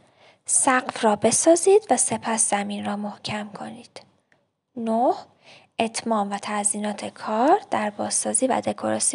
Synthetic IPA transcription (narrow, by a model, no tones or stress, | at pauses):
sæɢfrɒːbe̞sɒːziːd̪væse̞pʰæsz̥æmiːnrɒːmo̞hcʰæmkʰo̞̰niːd̪̥ | noh | ʔe̞t̪ʰmɒːmvæt̪ʰæziːnɒːt̪ʰe̞kʰɒːɾd̪̥æɾbɒːzːɒːziːvæ̰d̪e̞kʰoɾɒ̰ːsi